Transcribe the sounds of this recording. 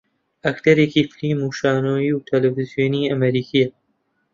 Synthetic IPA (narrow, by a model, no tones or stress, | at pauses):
ɐkt̪ɐɾeːkiːfliːmuːʃaːnoːjiːwt̪ʰɐlefizijoːniːɐmɐɾiːkʰijɐ